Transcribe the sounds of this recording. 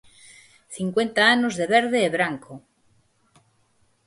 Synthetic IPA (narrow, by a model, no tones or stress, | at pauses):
θiŋkwe̞nt̪aanozðeβeɾð̞eːβɾaŋko